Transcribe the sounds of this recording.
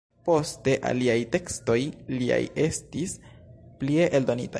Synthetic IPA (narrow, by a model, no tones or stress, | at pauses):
po̞ste̞ʔa̰liajte̞ksto̞jlia̰je̞stisplie̞ʔeldo̞nita